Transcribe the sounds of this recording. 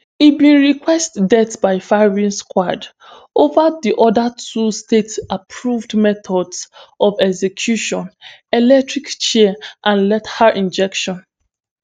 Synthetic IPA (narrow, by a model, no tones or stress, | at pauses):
ibĩnɹikwɛstdɛtbaɪfaɹĩnskwad | ovadiʔɔdatʰustetapʰɹuvdmɛtɔdsɔvɛɡzekʰjuʃɔ̃nɛlɛk̚tɹikt͡ʃɛʔãnlɛthaɹʔĩnd͡ʒɛkʃɔ̃n